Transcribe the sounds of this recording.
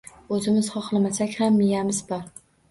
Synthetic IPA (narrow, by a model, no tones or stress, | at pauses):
ɵzɪmɪzχɒqlˠɪmasakʲhamːɪjamɪzbɒɾ